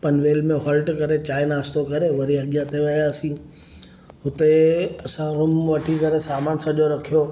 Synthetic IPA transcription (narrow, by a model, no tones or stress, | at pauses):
pɐnʋeːlmẽɦɔːlʈkɐɾet͡ɕaːɪnaːst̪okɐɾeʋɐɾiɐɠjãt̪ʰeʋɐjaːsĩ | ɦʊt̪eɐsãɾʊmʋɐʈʰikɐɾesaːmaːnsɐʄoɾɐkʰijo